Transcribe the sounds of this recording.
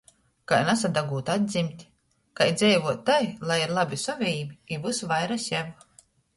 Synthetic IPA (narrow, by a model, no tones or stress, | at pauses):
kajnasad̪aɡuːt̪ad̪̚ʲd̪ʲzʲimt̪ʲ | kajd̪zɛjvuɔt̪ːajlˠajiɾlˠabʲisɔvʲiːbiivusvajɾasʲjɛv